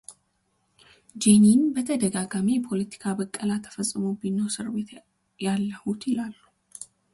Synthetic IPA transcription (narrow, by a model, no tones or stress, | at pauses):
d͡ʒeninbət̪ʰəd̪əɡaɡamijɛpʰo̞lət̪ʰi̥kʰabəkʼːəlat̪ʰːə̥fəsʼːɨmowbinːəwsɨɾβe̞t̪ | jalːəhut̪jɪlalːu